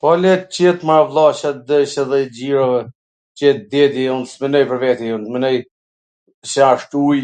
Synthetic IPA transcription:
pɔlɛt͡ɕɛt̪mavlˠaʃat̪d̪əʃaðɛd͡ʑiɾavɛ | t͡ɕɛt̪̚d̪ɛd̪iunsmənɔjpəɾvɛt̪iunt̪mənɔj | saʃt̪uj

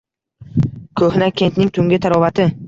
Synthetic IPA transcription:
kʰɵhnakʲʰe̞nt̪nɪŋt̪ʰʊŋɡʲɪt̪ʰaɾɒvat̪ʰɪ

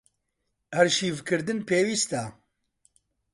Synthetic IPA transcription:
hæɾʃiːvkɨɾd̪ɨnpeːwiːst̪a

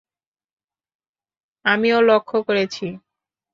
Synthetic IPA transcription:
amiolokʰːokoɾet͡ɕʰi

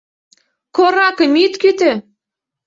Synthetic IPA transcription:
koɾɑkə̆mit̪kyt̪ø

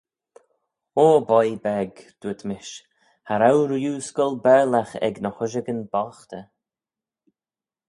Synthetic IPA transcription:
oːbɔjbɛɡd̪̥uət̪ʰmɪʃ | haɾawɾjuːskɔlbɛɹlaxɛ̰ɡnəxʊʒəɡənbɔxt̪ə

